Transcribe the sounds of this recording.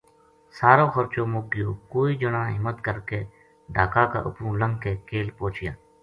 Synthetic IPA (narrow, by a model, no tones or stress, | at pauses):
saːɾõːxəɾt͡ʃõːmʊɡɪjoːkoːiːd͡ʒənãːɦɪmət̪kəɾkeː | ɖaːkaːka̰ːʔʊ̰pũːləŋɡkeːkeːlpoːt͡ʃɪjaː